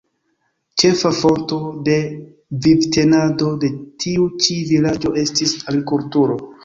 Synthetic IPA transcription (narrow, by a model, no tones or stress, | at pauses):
t͡ʃe̞fafo̞nto̞de̞ | vibte̞nado̞de̞tʰiut͡ʃivilad͡ʒo̞e̞stisalikultuɾo̞